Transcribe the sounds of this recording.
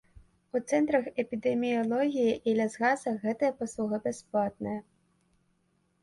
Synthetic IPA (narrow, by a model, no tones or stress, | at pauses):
ut̪sɛnt̪ɾɐxɛpʲid̪ɛmʲiɔlˠɔɣʲijiʔilʲɐzɣazɐɣɛt̪ɨjɐpɔslˠuɣɨbɛsplˠat̪̚nɨjɐ